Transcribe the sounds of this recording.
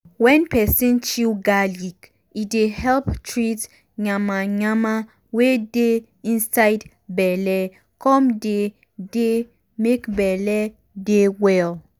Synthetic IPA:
wɛ̃npʰɛsĩnt͡ʃilɡalik | idehɛlptʰɹit | ɲãmãɲãmã | wede | ĩnsaɪd | bɛlɛ | kʰɔ̃mde | de | mekbɛlɛ | dewɛl

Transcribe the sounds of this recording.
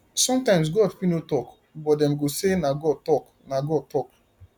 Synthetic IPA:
sɔ̃mtãɪ̃ms̬ɡoɛfpinotɔk | bɔt̚dɛ̃mɡosenaɡɔd̚tɔk | naɡɔd̚tɔk

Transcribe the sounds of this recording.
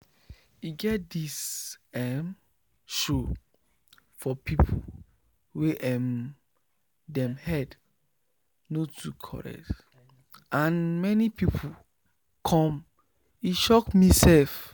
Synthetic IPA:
iɡɛt̚disɛm | ʃo | fɔpʰipʰo̰ | weʔɛm | dɛ̃mhɛd | notʰukʰɔ̰ɹɛ̰k̚t | ʔãnmɛnipipʰu | kʰɔ̃m | iʃɔkmisɛlf

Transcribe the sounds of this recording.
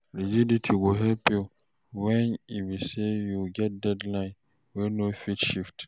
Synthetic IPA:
liziditʰiɡoɦɛlpi | wɛ̃niwisejuɡɛt̚dɛdlãɪ̃n | winofitʃift

